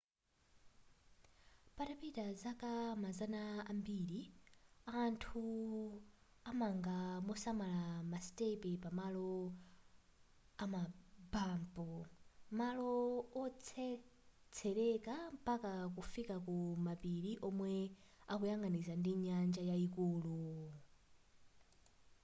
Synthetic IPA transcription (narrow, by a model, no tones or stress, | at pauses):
patapitazakamazanaːmbiɾi | antʰu | amaŋɡamɔsamalamastɛpɛpamalɔ | amabaːmpɔmalɔɔt͡sʰɛ | t͡sʰɛɾɛkampakak̬ufikakumapiɾiʔɔmwɛakujaŋɡanizandiɲand͡ʒajaikuːlu